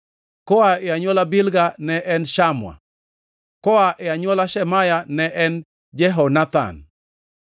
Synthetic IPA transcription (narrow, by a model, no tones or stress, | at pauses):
kɔaeaɲwɔlabɪlɡanɛʔɛnʃamwa̰ | kɔaʔeaɲwɔlaʃɛmajanɛʔɛn | d͡ʒɛɦɔnat̪a̰n